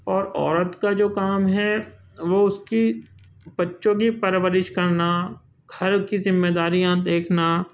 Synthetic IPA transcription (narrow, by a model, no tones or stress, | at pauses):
ɔːɾɔ̰ːɾət̪kad͡ʒoːkaːmɦɛʋoːʊski | bɐtːʃõk̬ipɐɾɪʋəɾɪʃkɐɾna | ɡʱɐɾkizɪmːeːd̪aːɾijãd̪eːkʰna